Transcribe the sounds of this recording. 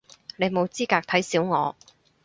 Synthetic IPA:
ne˨˧jmo˨˧wt͡siː˥kaː˧k̚t̪ʰɐ˨˥jsiː˨˥wŋɔ̰ː˨˧

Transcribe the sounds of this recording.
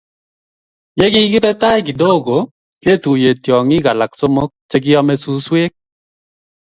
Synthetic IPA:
jɛ˦ki˦kɪ˦pɛ˦ta˦jk̬ɪ˨do˦˨ɡo˨ | ke˦˨tu˨je˨tjɔ˨ŋɪ˦ka˨la˨k̚so˦mo˦k̚t͡ʃɛ˦k̬ɪ˦jɔ˦mɛ˦su˦swe˦k̚

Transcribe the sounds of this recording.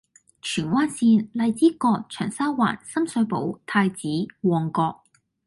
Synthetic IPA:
t͡ʃʰyː˨˩nwaː˥nsiː˧nlɐ˨˧jt͡siː˥kɔː˧k̚t͡ʃʰœː˨˩ŋsaː˥wwa̰ː˨˩nsɐ˥msɵ˨˧ɥpo̰˨˥wt̪ʰaː˧jt͡siː˨˥wɔː˨˩ŋkɔː˧k̚

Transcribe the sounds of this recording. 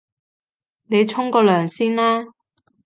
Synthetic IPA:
ne˨˧jt͡ʃʰʊ˥ŋkɔː˧lœː˨˩ŋsiː˥nlaː˥

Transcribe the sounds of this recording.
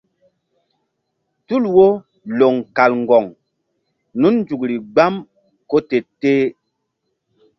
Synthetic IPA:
tu˦˨lwo˦ | lo˨ŋka˨lŋ˨ɡɔ˨ŋ | nu˦nn˦d͡ʒu˨kli˨ɡ͡ba˦m | ko˦te˨teː˦

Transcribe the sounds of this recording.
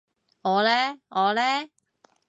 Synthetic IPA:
ŋɔː˨˧lɛː˥ŋɔː˨˧lɛː˥

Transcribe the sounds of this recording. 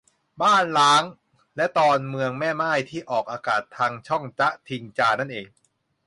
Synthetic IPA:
baː˥˩nlaː˦˥ŋ | lɛ˦˥t̪ɔː˧nmɯ˧əŋmɛː˥˩maː˥˩jt̪ʰiː˥˩ʔɔː˨˩k̚ʔaː˧kaː˨˩t̪ʰːaː˧ŋt͡ɕʰɔ˥˩ŋt͡ɕa˦˥ʔt̪ʰi˧nt͡ɕaː˧na˥˩nʔeː˧ŋ

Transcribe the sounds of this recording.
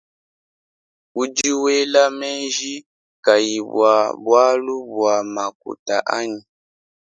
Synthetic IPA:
u˦d͡ʒi˦we˦la˦mɛ˦nʒi˦ | ka˨ji˨bwa˨bwa˦lu˦bwa˨ma˨k̚ṵ˨ta̰˨ʔa˦ɲi˨

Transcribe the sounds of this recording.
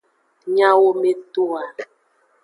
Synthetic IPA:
ɲã˦wo˦me˦to˦a˨

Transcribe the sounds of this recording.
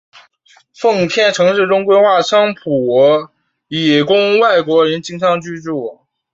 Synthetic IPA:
fɤ˥˧ŋp̪ʰjɛ˥˩nʈ͡ʂʰɤ˧˥ŋʂɻ̩˥˩ʈ͡ʂʊ˥ŋkwe˥ɪxwa˥˩ʂʰɑ˥ŋpʰu˨˩ | i˨˩kʊ˥ŋwa˥˩ɪkwɔ˧˥ɻə˧˥nt͡ɕi˥ŋʂʰɑ˥˧ŋt͡ɕy˥˧ʈ͡ʂu˥˩

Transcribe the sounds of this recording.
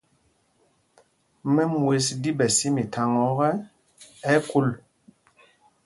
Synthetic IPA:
mɛ˦mwe˨˦sdi˦bɛ˨si˦mi˨tʰa˨ŋɔ˨˦ɣɛ˦ | ɛ˦ku˦l

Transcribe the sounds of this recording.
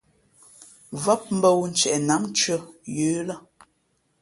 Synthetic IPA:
və˦p̚m̩˦bə˦wn̩˦t͡ʃɛ˨ʔna˨˦ŋt͡ʃə˦jʉː˨˦la˦

